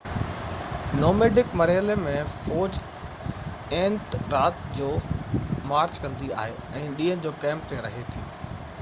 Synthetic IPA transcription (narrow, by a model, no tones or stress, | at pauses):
noːmeːɖɪkmɐɾɦəlemẽfoːd͡ʑ | ẽːnʈɾaːt̪d͡ʑoːmaːɾt͡ɕkɐ̃nd̪ia̰ːɦeɛ̃ːɗĩːə̃nd͡ʑoːkɛ̃ːmp̚t̪eɾɐɦet̪ʰḭː